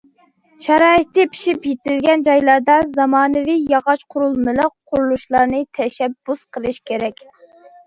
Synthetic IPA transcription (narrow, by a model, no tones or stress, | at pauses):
ʃɑɾɑːɨt̪ːɨpʰi̥ʃipjet̪ɪlɡʲɛnd͡ʒɑjlˠɑɾd̪ɑzɑmɑːnɨvijɑʁɑʃqʰʊɾulˠmɪləqʰː | ʊɾulˠuʃlˠɑɾnɨt̪ʰɛʃɛbːusqʰəlˠɨʃkʲʰeɾɛkʲ